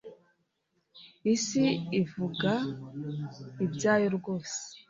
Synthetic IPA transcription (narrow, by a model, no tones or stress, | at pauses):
isiivuɡa | ibzaːjoɾɡoːse̥